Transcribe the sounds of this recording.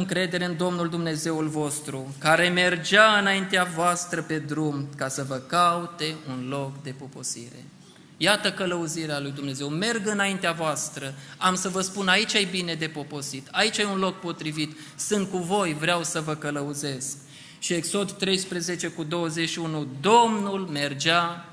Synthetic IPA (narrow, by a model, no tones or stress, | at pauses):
ɨŋkɾe̞d̪e̞ɾeɨnd̪o̞mnuld̪umne̞ze̞wulvo̞st̪ɾukaɾe̞me̞rd͡ʒaɨnaint̪eavoast̪ɾəpe̞d̪ɾumkasəvəkaut̪e̞unlo̞kd̪e̞po̞po̞̰sḭɾe̞̰ | jat̪əkələuziɾealujd̪umne̞ze̞wme̞rɡɨnaint̪eavoast̪ɾəamsəvəspunait͡ʃʲajbine̞d̪e̞po̞po̞sit̪ʰait͡ʃaunlo̞k̚po̞t̪ɾivit̪ | sɨnt̪̚kuvo̞jvɾeawsəvəkələuze̞sk | ʃie̞kso̞d̪t̪ɾe̞jspɾeze̞t͡ʃe̞kud̪o̞wəze̞ʃiunud̪o̞mnulme̞rd͡ʒa